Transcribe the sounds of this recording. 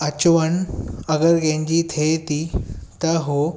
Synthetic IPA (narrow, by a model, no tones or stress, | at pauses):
ət͡ɕʋəɳəɡəɾɡẽɲd͡ʑiːt̪ʰet̪it̪əɦo